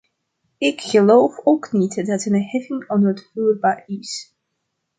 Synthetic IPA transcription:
ɪkχəlowfowknitdɑtənhɛvɪŋɔndətfuːrbaːɹɪs

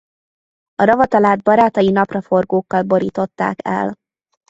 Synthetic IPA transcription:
ɒɾɒvɒt̪ɒlaːd̪bɒɾaːt̪ɒjinɒprɒfo̞rɡoːkːɒlbo̞ɾiːt̪o̞t̪ːa̰ːkɛ̰l

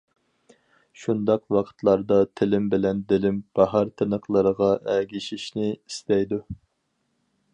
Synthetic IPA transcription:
ʃund̪ɑqwɑqʰə̥t̪ʰlˠɑɾd̪ɑt̪ʰɪlɪmbɪlɛnd̪ɪlɪmb̥ɑɦɑɾt̪ʰɨnəχlˠəɾəʁɑʔæɡʲiʃiʃnɪist̪ɛjd̪u

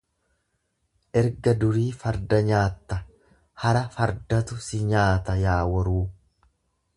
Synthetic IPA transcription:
ʔɛɾɡɐd̪ʊɾiːfɐɾd̪ɐɲaːt̪ːɐ | hɐɾɐfɐɾd̪ɐt̪ʊsɪɲaːt̪ɐjaːwɐɾuː

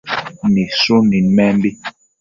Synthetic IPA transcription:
nisonimɛmbi

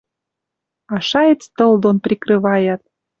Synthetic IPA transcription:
ɑʃɑjet͡st̪ɤ̆ld̪onprʲikrɨβɑjɑt̪̚

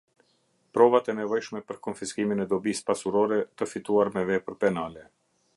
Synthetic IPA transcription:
pɾɔvat̪ɛnɛvɔjʃmɛpəɾkɔnfiskiminɛd̪ɔbispasuɾɔɾɛt̪əfit̪uaɾmɛvɛpəɾpɛnalɛ

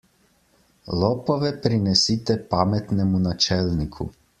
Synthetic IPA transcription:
lɔpɔʋɛpɾinɛsit̪ɛpamɛt̪nɛmunat͡ʃɛlnikʰṵ

